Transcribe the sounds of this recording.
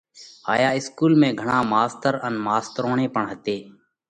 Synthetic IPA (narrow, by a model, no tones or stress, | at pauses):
aːjaːɪskuːlmẽːɡʱəɳãːmaːst̪əɾənmaːst̪ɾoːɳẽːpəɳɦət̪eː